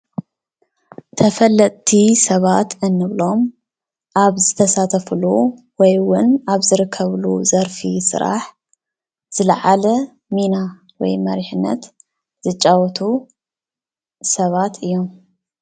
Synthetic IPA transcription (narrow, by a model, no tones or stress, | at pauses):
t̪ʰɐfɐlːɐt̪ʼt̪ʰisɐβat̪ɨnːɨβlo̞m | ʔaβzɨt̪ʰɐsat̪ʰɐflu | wɔjwʊnaβzɨɾɨkʰːɐβluzɐɾfisɨ̰ɾa̰ħ | z̥ɨlɐ̰ʕalɐ | mina | wɔ̰jmɐɾiħɨnːɐ̰t̪ | z̥ɨt͡ʃʼːawɔt̪ʰu | sɐβat̪ʰɨjːo̞m